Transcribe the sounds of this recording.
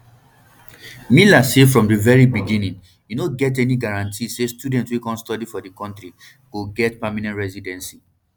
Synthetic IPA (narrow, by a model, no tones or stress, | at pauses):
milasefɹɔ̃mdəvɛɹibiɡĩnĩŋ | jinoɡɛtɛniɡaɹãntʰisestudɛ̃ntwikɔ̃nstɔdifɔdəkɔ̃ntɹi | ɡ̥oɡɛtpamanɛ̃ntɹɛzidɛ̃nsi